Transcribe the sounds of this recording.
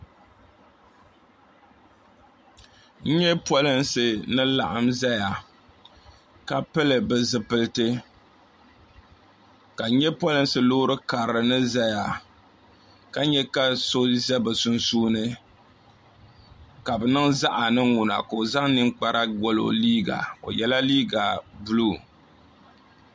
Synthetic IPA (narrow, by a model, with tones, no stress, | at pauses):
ɲ̩˦ɲɛ˦pɔ˦lɨ˦nsɨ˨nɨ˦la̰˨ʔa˨mza˦ja˨ | ka˦pɨ˦lɨ˨bɨ˨zɨ˨pɨ˦lɨ˦tɨ˦ | ka˨˦ɲɛ˦pwɔ˦lɨ˦nsɨ˨loː˦ɾɨ˦ka˨ɾɾɨ˨nɨ˦za˦ja˨ | ka˦ɲɛ˦ka˦so˦zɛ˦bɨ˨sʊ˦nsuː˦nɨ˦ | ka˨bɨ˨nɨ˦ŋza˦ʔa˨nɨ˦ŋu˨na̰˨ko˨o˨za˦ŋnɨ˦ŋk͡pa˦ɾa˦ɡo˦lo̰˨liː˦ɡa̰˨o̰˨jɛ˦la˦liː˦ɡa˨bu˦luː˦˨